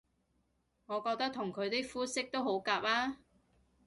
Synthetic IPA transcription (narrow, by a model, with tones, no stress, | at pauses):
ŋɔː˨˧kɔː˧k̚t̪ɐ˥k̚t̪ʰʊ˨˩ŋkʰɵ˨˧ɥt̪i˥kfuː˥sɪ˥k̚t̪o˥who˨˥wkaː˧p̚aː˥